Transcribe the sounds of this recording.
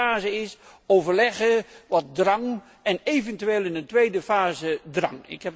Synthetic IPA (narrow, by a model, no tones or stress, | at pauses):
aːzəɪsowvərlɛɣəʋɔt̚drɑŋ | ɛneːvəntyʋeːlˠɪnəntʋejdəfaːzədrɑ̰ŋɪ̰khɛp